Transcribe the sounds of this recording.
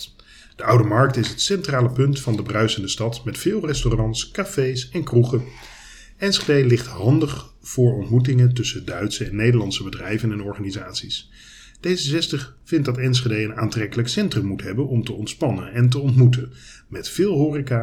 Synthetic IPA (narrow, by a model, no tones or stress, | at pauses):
d̥əʔʌwdəmɑɹk̚tɪsɦətsɛntraːləpɵntfɑndəbrœɥsəndəstɑtmɛtfɪːlˠrɛstorɑntskaːfejsɛnkruχə | ɛnsedejlɪχtɦɑndəχ | v̥ʊːɹɔntmut̬ɪŋətɵsədœɥtsəɛnːejdəɹlɑntsəbədrɛjvənɛnɔɹχaːnizaːtsis | d̥ejzəsɛstəχfɪnt̚dɑtɛns̬χedejənaːntrɛkələksɛntrəmːutɦɛbənɔmtəɔntspɑnəɛnt̬əɔntmutən | mɛtfɪːlˠɦʊːrika